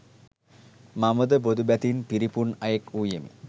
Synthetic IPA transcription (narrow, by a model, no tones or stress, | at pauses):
mamud̪əbod̪ubæt̪inpiɾipuɳajekuːjemḭ